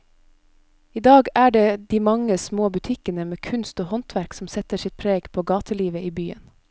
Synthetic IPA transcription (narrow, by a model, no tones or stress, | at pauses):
iːd̪ɑːɡæːɖeːd̪iːmɑŋəsmoːbʉt̪ʰɪkənəmeːkʰʉnst̪oːhɔnt̪ʰʋæɾksm̩sɛt̪əsɪt̪̚pʰɾeːɡpʰoːɡɑːt̪ʰəliːʋəiːbyːə̰n